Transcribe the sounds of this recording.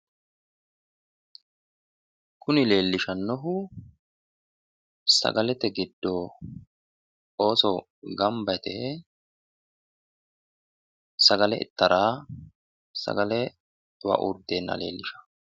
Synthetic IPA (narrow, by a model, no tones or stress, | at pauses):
kʰʊnɪle̞ːlːɪʃɐnːɔɦʊ | sɐ̰ɡɐlɛt̪ɛɡɪd̪ːo | oːsɔ | ɡɐmbɐjt̪ɛ | sɐɡɐlɛʔɪ̰t̪ːɐɾaː | sɐ̰ɡɐlɛ | wɐ̰ʔṵɾd̪eːnːɐ̰le̞̰ːlːɪʃɐ̥